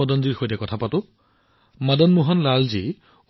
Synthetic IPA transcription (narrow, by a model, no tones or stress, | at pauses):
ɔdɔnziɹxojtakɔtʰapatʊ | madɔnmuɦɔnlalzi